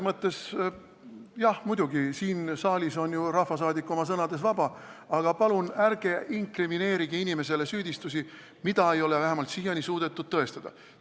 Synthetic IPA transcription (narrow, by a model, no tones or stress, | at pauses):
mɤt̪ːˑe̞s | jɑhmud̪̥uɡisiːnsɑːlʲiso̞njurɑhfɑsɑːd̪ikːˑo̞mɑs̬ɤnɑd̪e̞svɑbɑɑɡ̥ɑpɑlunærɡ̥e̞ʔiŋkrimine̞ːɾiɡ̥iinʲime̞se̞le̞syːd̪̥ʲist̪us̬i | mid̪ɑe̞jo̞levæɦemɑlt̪sijɑnʲisuːd̪̥e̞t̪ːˑud̪̥̚t̪ɤ̞e̞st̪ɑd̪̥ɑ̰